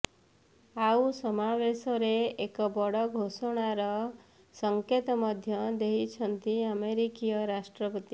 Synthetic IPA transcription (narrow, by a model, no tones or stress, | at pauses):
ausɔmawesɔɾeːkɔbɔɽɔɡʱosɔɽ̃aɾɔ | sɔŋket̪ɔmɔd̪ʱjɔd̪eɦit͡ʃʰɔnt̪iəmeɾikijɔɾasʈɾɔpɔt̪i